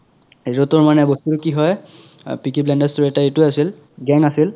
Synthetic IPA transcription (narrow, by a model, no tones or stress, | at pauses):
eɹutɔɹmanɛbɔstuɹkiɦɔjpikiblɛndɛstuɹɛtaetʊasil | ɡɛŋasil